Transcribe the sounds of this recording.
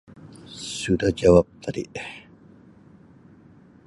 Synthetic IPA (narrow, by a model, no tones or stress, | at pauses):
sudahd͡ʒawap̚t̪ʰadḭʔ